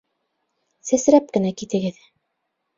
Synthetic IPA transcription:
sæsɾæp̚kɘ̆nækit̪ɘ̆ɡɘð

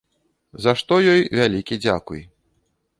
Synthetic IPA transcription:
zaʂt̪ɔjɔjvʲalʲikʲid͡zʲa̰kuj

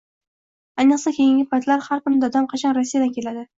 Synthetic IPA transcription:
ajnɨqsakʲʰejɪŋɡʲɪpʰat̪laɾhaɾkʊnɪd̪ɒd̪amqʰɑt͡ʃʰanɾasːijad̪ankʲʰe̞lad̪ɪ

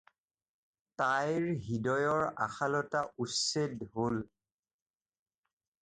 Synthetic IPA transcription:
tajɹɦidɔjɔɹa̰xalɔtaʔusedɦol

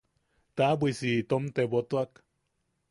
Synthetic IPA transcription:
t̪abʷisit̪omt̪ebot̪oak

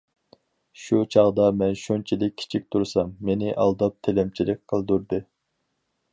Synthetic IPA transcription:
ʃut͡ʃʰɑʁd̪ɑmɛnʃont͡ʃʰilɪk̚ʲʰːi̥t͡ʃʰik̚ʲt̪ʰuɾsɑmːenɪʔɑ̰lˠd̪ɑp̚t̪ʰelɛmt͡ʃʰilɪk̚ʲqʰəlˠd̪uɾd̪ɨ

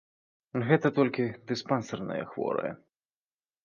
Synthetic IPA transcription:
ɣɛt̪ɐt̪ɔlʲkʲid̪ɨspansɐrnɐ̰jɛ̰xvɔ̰ɾɐ̰jɛ̰

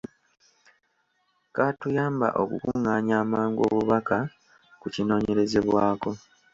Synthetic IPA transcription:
kaːtujaːmba̰ʔo̞̰kukuŋaːɲaːmaːŋɡo̞̰βuβaka | kucino̞ːɲe̞ɾe̞ze̞βwaːko̞

